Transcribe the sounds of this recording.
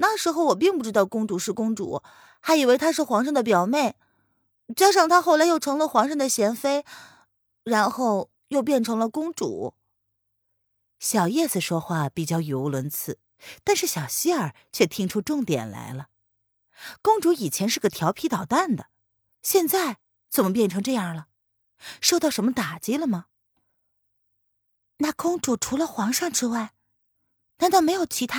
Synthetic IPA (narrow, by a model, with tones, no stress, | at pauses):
na˥˩ʂɻ̩˧˥xo˥˩ʊwɔ˨˩p̬i˥˧ŋp̬u˥˩ʈ͡ʂɻ̩˥t̪ɑ˥˩ʊkʊ˥ŋʈ͡ʂu˧˥ʂɻ̩˥˩kʊ˥ŋʈ͡ʂṵ˨˩ | xa˧˥ɪi˨˩we˥˩ɪt̪ʰa˥ʂɻ̩˥˩xwɑ˧˥ŋʂɤ˥ŋd̪ə˩pjɑ˨˩ʊmje˥˩ɪ | t͡ɕja˥ʂ̬ɑ˥˩ŋt̪ʰa˥xo˥˩ʊla˧˥jo˥˩ʊʈ͡ʂʰɤ˧˥ŋlə˧xwɑ˧˥ŋʂɤ˥˩ŋd̪ə˩ɕjɛ˧˥nfe˥ɪ | ɻa˧˥nxo˥˧ʊ | jo˥˧ʊp̬jɛ˥˩nʈ͡ʂʰɤ˧˥ŋlə˧kʊ˥ŋʈ͡ʂṵ˨˩˦ | ɕjɑ˨˩ʊjɛ˥˩s̩˨˩ʂwɔ˥xwa˥˩pi˨˩t͡ɕjɑ˥˩ʊjo˧˥ʊlwə˧˥nt͡sʰɹ̩˥˩˦ | t̪a˥˧nʂɻ̩˥˩ɕjɑ˨˩ʊɕi˥ə˞˨˩ | t͡ɕʰɥɛ˥˩t̪ʰi˥ŋʈ͡ʂʰu˥ʈ͡ʂʊ˥˩ŋt̪jɛ̰˨˩nla̰˧˥ɪlə˧ | kʊ˥ŋʈ͡ʂu˧˥i˨˩t͡ɕʰjɛ˧˥nʂɻ̩˥˩ɡə˩t̪ʰjɑ˧˥ʊpʰi˧˥t̪ɑ˨˩ʊt̪a˥˩nd̪ə˩ | ɕjɛ˥˧nt͡sa˥˩ɪ | t͡sə˨˩mə˦˩pjɛ˥˩nʈ͡ʂʰɤ˧˥ŋʈ͡ʂɤ˥˧jɑ˥˩lə˩ | ʂo˥˧ɑ˥˩ʊʂə˧˥nmə˧t̪a˨˩t͡ɕi˥lə˧mɐ˩ | na˥˩kʊ˥ŋʈ͡ʂu˨˩ʈ͡ʂʰu˧˥lə˧xwɑ˧˥ŋʂɑ˥˧ŋʈ͡ʂɻ̩˥wa˥˩ɪ | na˧˥nt̪ɑ˥˩me˧˥ɪjo˨˩ʊt͡ɕʰi˧˥t̪ʰa˥